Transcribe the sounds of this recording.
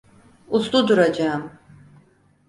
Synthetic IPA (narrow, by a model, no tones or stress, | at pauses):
ust̪ud̪uɾad͡ʒaːm